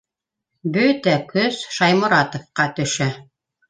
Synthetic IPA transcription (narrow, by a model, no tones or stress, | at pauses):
bɵt̪ækɵz̥ʃɑjmŏɾɑt̪ŏfqɑt̪ɵ̆ʃæ